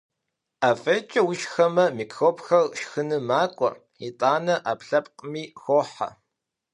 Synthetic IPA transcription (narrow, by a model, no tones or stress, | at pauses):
aːfeːt͡ʃʼɐwʊʃxɐmɐmiːkʰxoːpʼxɐrʃxɨnɨmaːkʷʼɔ̰ | itʼaːnɐʔaːpɬɐp̚ʼqʼəmiːxʷoːħa̰